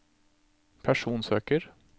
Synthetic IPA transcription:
pʰæʂuːnsøːkəɾ

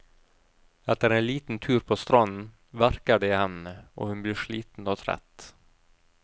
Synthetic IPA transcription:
ɛt̪əɾeːnliːt̪n̩t̪ʰʉːɾpʰoːst̪ɾɔnn̩ | ʋæɾkəɖɛhɛnəʔo̰ːhʉnbliːʂɭḭːt̪n̩oːt̪ʰɾɛ̰t̪

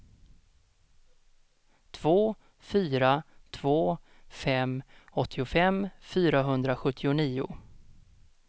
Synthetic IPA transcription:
t̪ʰv̥oː | fyːɾat̪ʰv̥oː | fɛmɔt̪ʰːɪʊfɛmfyːɾaɦɵnd̪ɾaɧɵt̪ʰːɪʊniːʊ̰

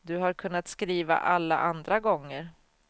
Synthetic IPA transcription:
d̪ɵɦaɾkʰɵnːat̪skɾiːva̰ʔalːa̰ʔand̪ɾaɡɔŋːəɾ

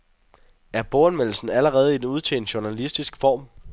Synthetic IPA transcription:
æɐb̥oenmel̰l̩sn̩æləʁɛːð̞̩ˠid̥enuð̞ˠt͡sʰḛːnd̥ɕuɐnælisd̥isɡ̥fɒ̰ːm

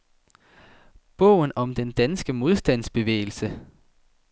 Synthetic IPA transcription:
b̥ɔʊ̰n̩ɒ̽md̥end̥ænsɡ̥əmo̝ð̞ˠsd̥æn̰sb̥e̝ʋḛːɪl̩sə

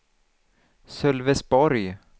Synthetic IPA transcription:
sœlvɛsbɔɾj

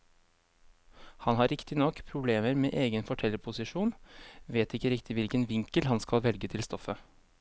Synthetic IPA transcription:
hɑnhɑːɾɪkt̪ɪnɔkːpʰɾʊbleːməɾmḛːʔeːɡənfɔʈʰɛlːəpʰʊsɪʂuːnʋeːt̪ɪkːəɾɪkt̪ɪʋɪlkənʋɪŋkəlhɑnskɑlʋɛlɡət̪ʰɪlst̪ɔfə

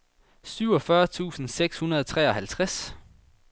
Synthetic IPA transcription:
syʊɒ̽fɶɐt͡sʰṵːsn̩seɡ̥shunɐðˠt͡sʰʁɛ̰ːɒ̽hælt͡sʰʁas

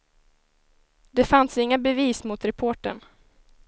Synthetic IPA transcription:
d̪ɛfansɪŋːabɛviːsmʊt̪ɾɛpʰoːʈəɳ

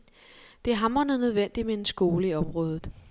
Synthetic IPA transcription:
d̥e̝æɦɑ̈mʁɐnøðˠnøð̞ˠʋen̰d̥imee̝nsɡ̥o̝ːləiɒ̽mʁɔ̽ːð̞ˠð̩ˠ

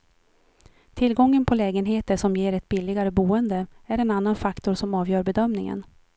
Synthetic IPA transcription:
t̪ʰɪlɡɔŋːənpʰɔlɛːɡənɦeːt̪əʂɔmjeːɾɛt̪̚bɪlːɪɡaɾəbuːənd̪əæɾɛnanːanfakt̪ʊɾʂɔmɑːvjœːɾbɛd̪œmnɪŋə̰n

